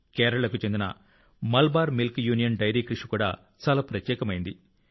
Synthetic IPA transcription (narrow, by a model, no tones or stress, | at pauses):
kɛːɾɐɭɐkut͡ʃend̪inɐ̰ | mɐlbaːɾmilkjuːnijɐnɖɐjɾiːkɾiʂikuːɽa̰ː | t͡ʃaːlaːpɾɐt̪jɛːkɐmɐjind̪i